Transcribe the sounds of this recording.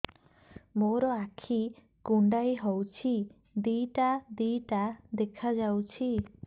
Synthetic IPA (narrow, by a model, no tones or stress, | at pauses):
moɾɔakʰi | kuɳɖajɦowt͡ʃʰi | d̪ijʈad̪ijʈad̪ekʰad͡ʒawt͡ʃʰi